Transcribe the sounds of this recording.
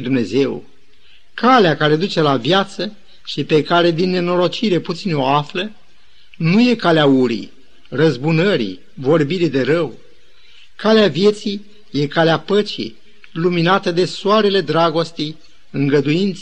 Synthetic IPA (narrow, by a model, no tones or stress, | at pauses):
d̪umne̞ze̞w | kaleakaɾe̞d̪ut͡ʃe̞lavjat̪sə | ʃipe̞kaɾe̞d̪inːe̞no̞ɾo̞t͡ʃiɾe̞put̪sino̞aflə | nuje̞kaleauɾḭ | rəzbunəɾḭ | vo̞rbiɾid̪e̞ɾəw | kaleavje̞t̪si | je̞kaleapət͡ʃḭ | luminat̪əd̪e̞soaɾe̞le̞d̪ɾaɡo̞st̪ej | ɨŋɡəd̪ujint̪s